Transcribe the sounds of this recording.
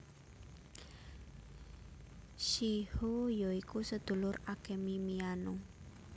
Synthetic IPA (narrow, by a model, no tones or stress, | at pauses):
ʃihojoikusəd̪̥ṳlʊrakemimiano